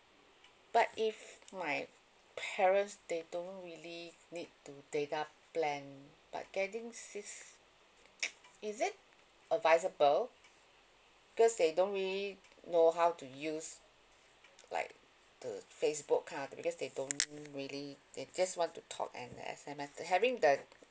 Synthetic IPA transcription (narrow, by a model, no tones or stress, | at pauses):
b̥atifmaj | pʰɛɹə̃ntsdedõnɹilinid̚tudeta | plɛ̃n | b̥a̰t̚ɡ̥ɛtĩŋsiks | izɪt̚ | əvaɪsəbəl | bikɔsdedõntɹili | noɦawtujus | la̰ɪk̚ | d̥ə̰fes̬bukʰːãntbikɔsdedõnɹilid̥ed͡ʒaswɔ̃ntutʰɔ̰kɛ̰̃ndə̰ɛ̰sɛ̃mɛshɛvĩŋdə